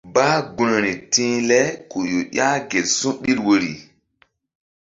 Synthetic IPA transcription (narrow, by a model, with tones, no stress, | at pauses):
baː˦ɡu˦no˨ɾi˨tĩ˦lɛ˦ku˨jo˨ɗjʲa˦ɡe˨lsũ˦ɓi˦ɾwo˦ɾi˨